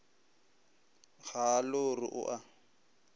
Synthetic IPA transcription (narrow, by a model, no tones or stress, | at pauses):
ɣalʊrɪ̰ʔʊ̰ʔa